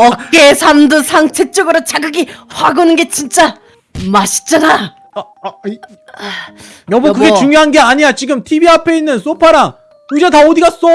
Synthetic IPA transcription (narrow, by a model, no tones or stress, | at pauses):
ʌk͈esʰamdɯsʰaŋt͡ɕʰet͡ɕ͈ʌɡɯɾot͡ɕaɡɯɡiɸaɡonɯnɡe̞t͡ɕint͡ɕ͈a | maɕʰi̥t͡ɕ͈ana | jʌbokɯɡet͡ɕuŋjoɦanɡe̞aɲijat͡ɕiɡɯmtʰibiapʰe̞inːɯns͈opʰaɾaŋ | ud͡ʑataodiɡas͈ʌ